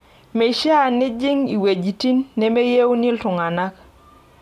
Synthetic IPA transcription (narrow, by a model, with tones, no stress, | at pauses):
me˨ʃa˦˨nɪ˦d͡ʒɪ˦ŋi˨we˨d͡ʒi˨ti˦nːɛ˦me˦je˦wni˦ltʊ˨ŋa˨na˦k